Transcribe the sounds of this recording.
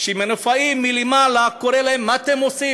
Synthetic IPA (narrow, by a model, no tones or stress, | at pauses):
ʃimenofaimilemalakoɾelaemat̪emosi